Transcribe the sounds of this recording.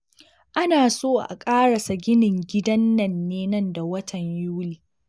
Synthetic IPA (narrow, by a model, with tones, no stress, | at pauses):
ʔa˦naː˨soː˦ʔa̰˨kʼaː˦ɽɐ˨sa˨ɡʲɪ˦nɪ˨ŋɡʲɪ˦dɐ˦nːɐ˨nːeː˦nɐ˦nda˨wɐ˦tʰɐ˨ɲjuː˦liː˨